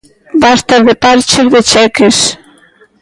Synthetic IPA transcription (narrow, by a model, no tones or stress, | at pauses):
bast̪aɾðepaɾt͡ʃeɾðet͡ʃɛkes